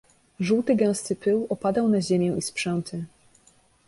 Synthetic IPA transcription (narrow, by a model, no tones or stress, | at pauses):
ʐuwt̪ɘɡɛ̃w̃st̪ɘpɘwɔpad̪awnaʑemʲjɛ̃ispʂɛnt̪ʰɘ